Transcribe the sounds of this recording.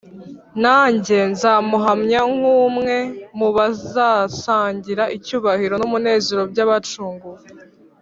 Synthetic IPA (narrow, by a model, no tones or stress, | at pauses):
naːɲɟe̞nzamuɦamɲaŋ̥uːmŋe̞muβazaːsaːɲɟiɾaʔicuːβahiɾo̞numune̞ːzeɾo̞bɟaβat͡ʃuːŋɡuɾe